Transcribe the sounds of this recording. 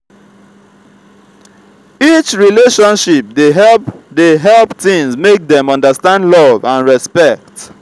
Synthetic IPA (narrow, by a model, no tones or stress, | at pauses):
it͡ʃɹileʃɔ̃nʃip̚dedeɦɛlpθĩŋsmek̚dɛ̃mɔ̃ndəstãndlɔvãnɹɛspɛk̚t